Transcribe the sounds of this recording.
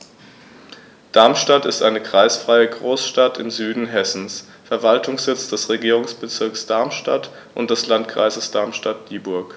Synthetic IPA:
d̥aɐmʃtatɪstʔaɪnəkʁ̥aɪsfʁ̥aɪəɡʁoːsʃtatʰɪmzyːdn̩ɦɛsn̩s | fɛɐvaltʰʊŋsz̥ɪt͡sd̥ɛsʁeɡiːʁʊŋsb̥ət͡sɪɐksd̥aɐmʃta̰t | ʔʊ̰nt̚d̥ɛslantkʁ̥a̰ɪzəsd̥aɐmʃtat̚d̥iːbʊɐk

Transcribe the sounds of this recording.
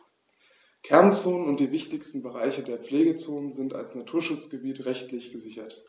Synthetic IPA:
kʰɛɐnt͡soːnənʊnt̚d̥iːvɪçtɪçstn̩bəʁaɪçədeːɐp͡fleːɡət͡soːnənzɪnta̰lsnatʰuːɐʃʊt͡sɡ̥əbiːtʁɛçtlɪçɡ̥əzɪçɐt

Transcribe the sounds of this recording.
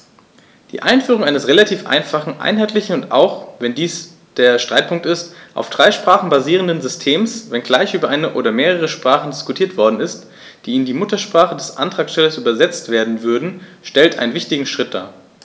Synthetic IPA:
d̥ḭːʔaɪnfyːʁ̞ʊŋaɪnəsʁelatʰiːfʔa̰ɪnfaχn̩ʔa̰ɪnɦaɪtlɪçn̩ʊnta̰ʊxvɛndiːs | d̥eːɐʃtʁ̥aɪt̚pʰʊŋk̚tɪstʔa̰ʊfd̥ʁaɪʃpʁ̥aːχn̩baziːʁ̞əndənzʏstʰeːmsvɛnɡlaɪçʔyːbɐʔaɪnəʔoːɾɐmeːʁəʁ̞əʃpʁ̥aːχn̩dɪskutʰiːɐtv̥ɔɐdn̩ɪst | d̥iːɪndiːmʊtɐʃpʁ̥aːχədɛsʔa̰ntʁ̥aːksʃtɛlɐsʔyːbɐzɛt͡stv̥eːɐdn̩vʏɐdn̩ʃtɛltʔaɪnənvɪçtɪɡŋ̩ʃʁ̥ɪt̚d̥a̰ː

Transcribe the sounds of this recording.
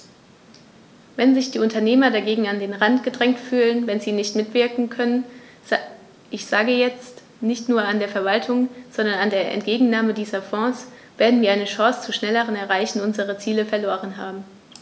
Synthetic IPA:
vɛnzɪçd̥iːʊntɐneːmɐdaɡeːɡŋ̩andeːnʁantɡ̥ədʁɛŋtfyːlənvɛnziːnɪçtmɪtv̥ɪɐkŋ̩kʰœnən | ʔɪçz̥aːɡəjɛt͡st | nɪçtnuːɐandeːɐfɛɐvaltʰʊŋz̥ɔndɐnandeːɐʔɛ̰ntɡ̥eːɡŋ̩naːmədiːzɐfɔ̃ːs | v̥eːɐdn̩viːɐʔaɪnəʃɔ̃ːst͡suʃnɛləʁ̞ənɛɐʁaɪçn̩ʊnzəʁ̞ət͡siːləfɛɐloːʁ̞ənɦaːbm̩

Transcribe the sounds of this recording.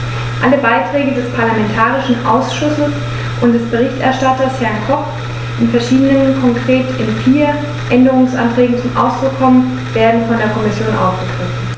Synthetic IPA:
ʔaləbaɪtʁ̥ɛːɡədɛspʰaɐlamɛntʰaːʁɪʃn̩ʔa̰ʊsʃʊsəs | ʔʊntd̥ɛsb̥əʁ̞ɪçtʔɛɐʃtatɐshɛɐnkʰɔp | ʔɪnfɛɐʃiːdənənkʰɔŋkʁ̥eːtɪnfiːɐ | ʔɛndəʁ̞ʊŋsʔa̰ntʁ̥ɛːɡŋ̩t͡sʊmʔa̰ʊsd̥ʁʊkʰːɔmən | veːɐdn̩fɔndeːɐkʰɔmɪsjoːnʔa̰ʊfɡ̥əɡ̥ʁɪfn̩

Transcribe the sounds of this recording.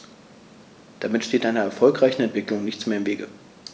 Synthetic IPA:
d̥amɪtʃteːtʔaɪnɐɛɐfɔlkʁ̥aɪçn̩ɛntv̥ɪklʊŋnɪçt͡smeːɐɪmveːɡə̰

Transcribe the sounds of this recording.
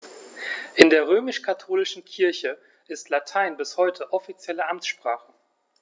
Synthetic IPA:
ʔɪndeːɐʁ̞øːmɪʃkʰatʰoːlɪʃn̩kʰɪɐçə | ʔɪstʰlatʰaɪnbɪshɔʏtʰəʔɔfit͡sjɛləʔamt͡ssʃpʁ̥aːχə

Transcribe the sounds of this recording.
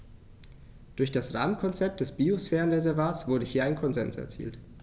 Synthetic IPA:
d̥ʊɐçd̥asʁa̰ːmənkʰɔnt͡sɛp̚t̚d̥ɛsb̥iːosfɛːʁənʁezɛɐvaːtsv̥ʊɐdəhiːɐaɪnkʰɔnzɛ̰nsɛ̰ɐt͡sḭːlt

